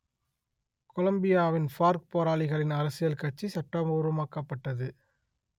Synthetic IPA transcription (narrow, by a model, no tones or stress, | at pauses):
kɔlɐmbɪjaːʋɪnpaːɾk̚poːɾaːɭɪɣɐɭɪnɐɾɐsɪjɐlkɐʈ̚t͡ʃːisɐʈːɐmoːɾɯmaːkːɐpːɐʈːɐðɯ